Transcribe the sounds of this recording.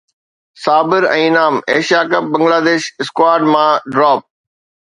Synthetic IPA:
saːbɪɾɛ̃ːɪnaːmeːʃjaːkɐp̚bɐ̃ŋɡlaːd̪eːʃɪskwaːɾɖmãːɖɾɔːp̚

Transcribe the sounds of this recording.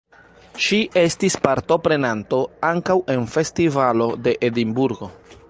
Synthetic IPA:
ʃiʔe̞stispaɾto̞pɾe̞nanto̞aŋkawe̞nfe̞stivalo̞de̞ʔedimbuɾɡo̞

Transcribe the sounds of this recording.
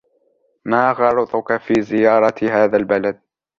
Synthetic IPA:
maːɣɑɾˤɪt̪ˤʊkafiːzɪjɑːɾˤɑɦaːðalbalad̪̚

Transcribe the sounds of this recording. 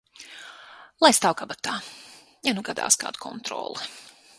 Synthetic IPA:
lˠajst̪awkabat̪aː | januɡad̪a̰ːska̰ːd̪kʰɔ̰nt̪ɾɔ̰ːlˠɛ

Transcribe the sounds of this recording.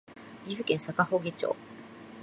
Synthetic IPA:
ɡʲiɸɯ̟kẽ̞ɰ̃sakaho̞ːɡʲit͡ɕo̰ː

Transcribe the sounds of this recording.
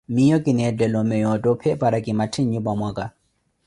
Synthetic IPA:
mijɔkʼɪnɛt͡ɬɛlɔmɛjɔtʼɔpʰɛpʼaɾakʼɪmatʰɪɲubamwaːkʼa

